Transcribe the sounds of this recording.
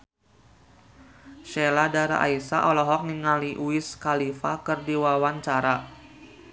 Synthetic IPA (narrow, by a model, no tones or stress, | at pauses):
ʃeladaɾa̰ʔa̰isa̰ʔɔlɔɦɔk̚niŋaliʔuɪskalifakɨrdiwawaɲt͡ʃaɾa